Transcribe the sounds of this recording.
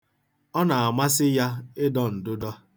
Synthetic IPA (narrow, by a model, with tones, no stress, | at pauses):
ɔ˦na˨a˨ma˦sɪ˦ja˦ɪ˦dɔ˦n̩˨dʊ˦dɔ˦